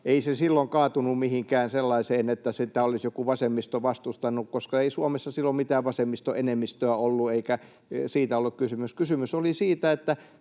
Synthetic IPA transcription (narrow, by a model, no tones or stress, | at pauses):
eisesilːoŋkɑːt̪unummihiŋkæːnselːɑiseːnet̪ːæsit̪æolisjokuʋɑsemːist̪oʋɑst̪ust̪ɑnːˑukkoskɑeisuomesːɑsilːommit̪æːʋʋɑsemːist̪oʔenemːist̪øæolːueikæ | siːt̪æolːukkysymyskysymysolisiːt̪æet̪ːæ